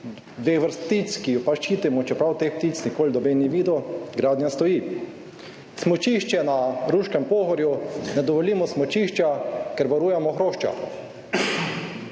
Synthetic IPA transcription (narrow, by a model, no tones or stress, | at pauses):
d̪ʋexʋəɾst̪t̪iskijupaʃt͡ʃiːt̪imɔt͡ʃɛpɾawt̪expt̪it͡s̪nikoːlʲd̪ɔbeniʋiːd̪ɔɡɾaːd̪njast̪ɔjiː | smɔt͡ʃiʃt͡ʃɛnaɾuːʃkɛmpoːɣɔɾjunɛd̪ɔʋɔliːmɔsmɔt͡ʃiʃt͡ʃakɛɾʋaɾujɛmɔxɾoːʃt͡ʃa̰